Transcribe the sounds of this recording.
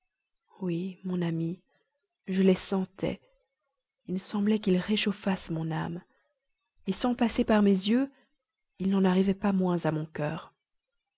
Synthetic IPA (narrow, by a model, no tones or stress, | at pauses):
wimɔ̃nami | ʒəlesɑ̃t̪ʰɛ̰ | ilsɑ̃blɛkilʁeʃofasmɔ̃na̰m | esɑ̃pasepaʁmezjø | ilnɑ̃naʁivɛpamwɛ̃zamɔ̃kœːʁ